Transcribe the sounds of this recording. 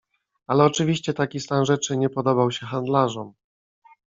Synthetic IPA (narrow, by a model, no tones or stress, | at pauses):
alɛɔt͡ʂɘvʲiɕt͡ɕɛt̪akʲist̪anʐɛt͡ʂɘɲɛpɔd̪ɔbawɕɛxand̪laʐɔm